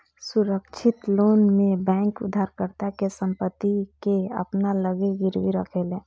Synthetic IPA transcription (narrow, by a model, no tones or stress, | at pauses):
sʊɾəkt͡ʃʰɪt̪loːnmẽbɛ̃ːŋkʊ̰d̪ʱːaːɾkəɾt̪akesə̃mpət̪ːikeə̰pnaləɡeɡɪɾwiɾə̰kʰelẽː